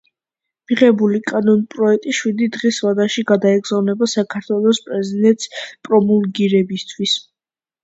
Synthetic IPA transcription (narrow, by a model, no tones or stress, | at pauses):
miʁɛbulikʼanɔnpʼɾɔɛk̚t̪ʼiʃwid̪id̪ʁisvad̪aʃiɡad̪aɛɡzavnɛbasakʰaɾt̪ʰwɛlˠɔspʼɾɛzid̪ɛnt̪ʼspʼɾɔmulɡiɾɛbist̪ʰwis